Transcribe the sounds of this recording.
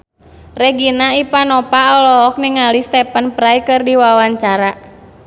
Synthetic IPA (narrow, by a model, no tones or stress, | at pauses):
rɛɡinaipanɔpaɔlɔɔk̚niŋalist̪ɛpanpɾaikɨrdiwawaɲt͡ʃaɾa